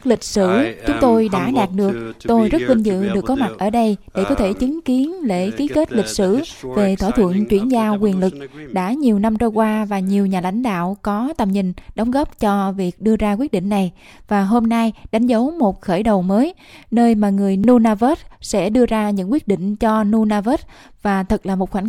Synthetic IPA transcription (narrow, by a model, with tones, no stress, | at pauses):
lï˨˩k̟̚sɨ̰˧˩t͡ɕʊ˨˦ŋ͡mt̪o˧jɗa̰ː˧˥ɗaː˨˩t̚ɗɨ˨˩ək̚t̪o˧jzə˦˥t̚wi˧ŋzɨ̰˧˨ɗɨ˨˩əkːɔ˨˦ma˨˩t̚ʔəː˧˩ɗə˧jɗe˧˩kɔ˨˦t̪ʰe˧˩t͡ɕɨ˨˦ŋki˨˦ənlḛ˧˥xi˨˦ke˦˥t̚li˨˩k̟̚sɨ̰˧˩ve˨˩t̪ʰwaː˧˩t̪ʰwə̰˧˨ənt͡ɕwi˧˩ənzaː˧wkwi˨˩ənlɨ˨˩k̚ɗa̰ː˧˥ɲi˨˩əwna˧mt͡ɕə˧jkwaː˧vaː˨˩ɲi˨˩əwɲaː˨˩la̰˧˥jŋ̟ɗa̰ː˧˨wkɔ˨˦t̪a˧˩mɲï˨˩ŋ̟ɗə˨˦wŋ͡mɣɔː˦˥p̚t͡ɕɔ˧vi˨˩ək̚ɗɨ˧əzaː˧k̬wi˦˥ət̚ɗḭ˧˨ŋ̟na˨˩j | vaː˨˩ɦo˧mna˧jɗa˨˦jŋ̟zə˨˦wmo˨˩t̚xəː˧˩jɗə˨˩wməː˨˦j | nəː˧jmaː˨˩ŋɨ˨˩əjnu˧naː˧vəː˦˥t̚sɛ̰˧˥ɗɨ˧əzaː˧ɲɨ̰˧˥ŋkwi˦˥ət̚ɗḭ˧˨ŋ̟t͡ɕɔ˧nu˧naː˧vəː˦˥t̚ | vaː˨˩t̪ʰɨ˨˩laː˨˩mo˨˩t̚xwa˧˩ŋ